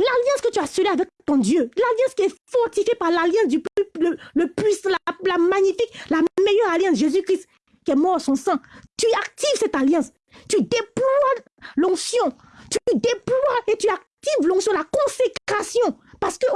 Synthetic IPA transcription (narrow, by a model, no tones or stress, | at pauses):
laljɑ̃skət̪yasøleavɛkt̪ɔ̃d̪jølaljɑ̃skʲiɛfɔʁt̪ifjepaʁlaljɑ̃sd̪yplələpislalamaɲifiklamejœʁaljɑ̃sʒezykχist̪ | kʲiɛmɔʁsɔ̃sɛ̃t̪yak̚t̪ivsɛt̪aljɑ̃s | t̪yd̪eplwa | lɔ̃ksjɔ̃ | t̪yd̪eplwaet̪yak̚t̪ivlɔ̃ksjɔ̃lakɔ̃sekχasjɔ̃paʁsə̥kə